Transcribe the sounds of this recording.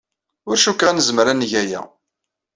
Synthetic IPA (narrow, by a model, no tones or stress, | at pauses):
ʊɾʃukːænəzməɾænʝæjæ̰